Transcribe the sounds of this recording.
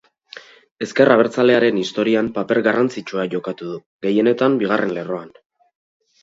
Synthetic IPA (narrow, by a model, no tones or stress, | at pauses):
e̞ske̞raβ̞e̞ɾt͡sale̞aɾe̞nist̪o̞ɾiampape̞ɾɣarant͡sit͡ʃuaʝo̞kat̪uðuɣe̞je̞ne̞t̪ambiɣ̞arʔe̞nle̞ro̞an